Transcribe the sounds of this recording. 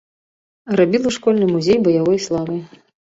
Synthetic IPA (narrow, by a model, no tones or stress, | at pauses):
rabʲilˠuʂkɔlʲnɨmuzʲejbɐjavɔjslˠavɨ